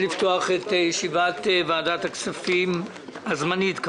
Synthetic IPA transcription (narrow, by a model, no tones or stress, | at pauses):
lift̪oaχetjeʃivatvaːdat̪aksafim | hazmanitk